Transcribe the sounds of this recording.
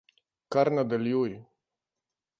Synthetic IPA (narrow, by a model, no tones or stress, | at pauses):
kaɾnad̪eljuj